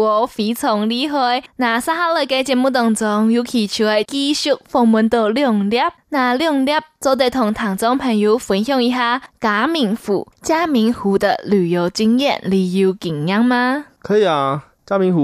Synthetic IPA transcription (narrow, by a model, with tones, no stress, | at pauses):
ɔ˧˩fi˨˦t͡sʰʊ˨˩ŋli˧ɦɔ˧na˨˩sa˥ɦa˥lə˧˨ke˧jt͡ɕjɛ˧˩nmu˥˧t̪ʊ˨˩ŋt͡sʊ˧˦ŋju˧˦kʰi˨˩t͡ɕʰu˨˧˩ɛ˧˩ɪki˧ɕu˥k̚fɔ˧˩ŋmu˧˦nt̪o˧˩ljɔ˥˩ŋlja˥˧˥p̚na˨˩ljɔ˥˧˩ŋlja˥˩p̚t͡so˧˦t̪e˧˩t̪ʰʊ˨˩ŋt̪ʰa˨˩ŋt͡sɔ˧˥ŋpʰɛ˨˩nju˧˦fwi˨˦nhjɔ˥˧˨ŋi˧˩ɦa˧˥ka˨˧˦mi˨˩ŋfṵ˨˩˦t͡ɕja˥mi˧˥ŋhu˨˦d̪ə̰˧˨lu˨˩jo˨˧˦ʊt͡ɕi˧ŋjɛ̰˥˧˨nli˧ju˧˦ki˨˩ŋɲa˧˥ŋma˧kʰə˧i˨a˨ | t͡ɕja˦mi˧˦ŋu˨˧˦